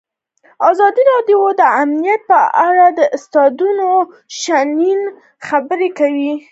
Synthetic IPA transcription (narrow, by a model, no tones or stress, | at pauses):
ɑzɑd̪iɾɑɖjod̪əamnijat̪̚pəʔaɽad̪əʔʊst̪ɑd̪uno | ʃanin | xabəɾekawi